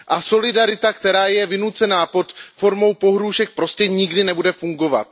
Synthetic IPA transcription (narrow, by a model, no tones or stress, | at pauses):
ʔaso̞lɪdaɾɪt̪akt̪ɛɾaːjɛvɪnut͡sɛnaːpo̞t̪fo̞ɾmo̞wpo̞ɦɾuʒɛk̚pɾo̞scɛɲɪɡdɪnɛbudɛfuŋɡo̞va̰t̪